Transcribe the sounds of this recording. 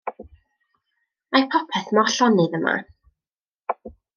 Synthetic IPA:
majpʰɔpʰɛθmɔɬɔnɨðəma̰

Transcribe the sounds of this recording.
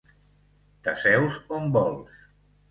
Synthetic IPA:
t̪asɛwzombɔlˠs

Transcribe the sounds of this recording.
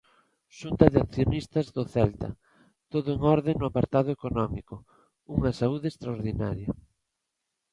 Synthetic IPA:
ʃunt̪ɐðeanθjonist̪ɐzðʊθɛlt̪ɐ̰ | t̪oðʊeŋɔɾðeŋnʊapaɾt̪aðʊekonɔmikʊ | uŋɐsauðest̪ɾaoɾðina̰ɾjɐ

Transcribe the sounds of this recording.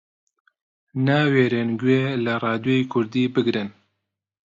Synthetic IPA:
naweːɾeːnɡweːlɨrɑːd̪joikʰʊɾd̪iːbɨɡɾɨn

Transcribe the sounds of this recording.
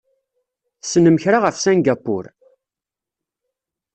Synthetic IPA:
θsənəməçɾaʁəfsænɡapːʊ̰ɾ

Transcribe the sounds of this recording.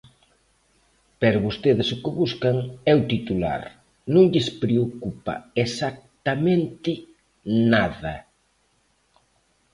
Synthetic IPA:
pɛɾʊβost̪eðɪsʊkɪβuskaŋɛuwt̪it̪ula̰ɾ | nõŋʎɪspɾeokupa̰esak̚t̪amẽnt̪ɪ | naðɐ

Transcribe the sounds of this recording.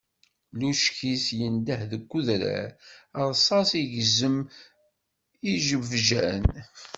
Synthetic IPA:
luʃkisjənd̪əhðəɡʷːuðɾæ̰ɾəɾˤsˤɑsiʝzəm | iʒəvʒæn

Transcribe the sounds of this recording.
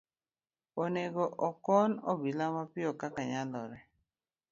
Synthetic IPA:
oneɡɔʔɔkɔnɔ̰bilamapɪɔkakaɲalɔɾɛ

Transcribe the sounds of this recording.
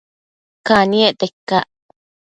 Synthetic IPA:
kanieʔt̪ekːaʔ

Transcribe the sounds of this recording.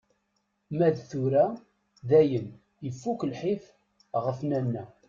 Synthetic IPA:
mæðθuɾæ | ðæjən | jəfːukəlħif | ʁəfnænːæ

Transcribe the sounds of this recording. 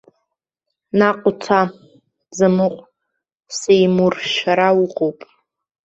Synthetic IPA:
naqʷʼʊt͡sʰa | zɨmɨqʷʼ | sejmurʃaɾawuqʼowpʼ

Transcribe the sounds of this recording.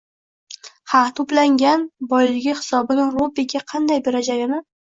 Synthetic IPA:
hat̪ʰʊplaŋɡʲanbɒjlɪɡʲɪhɪ̥sɒbɪnɪŋɾobɪɡʲaqʰɑnd̪ajbeɾad͡ʒaɡʲɪnɪ

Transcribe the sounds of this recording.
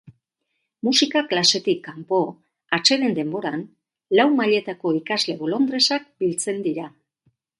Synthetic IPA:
musikaklase̞t̪ikːampo̞ | at͡ʃe̞ɾe̞nd̪e̞mbo̞ɾan | lawmaʎe̞t̪ako̞ikazle̞βolo̞nd̪ɾe̞sak̚bilt͡se̞nd̪iɾa

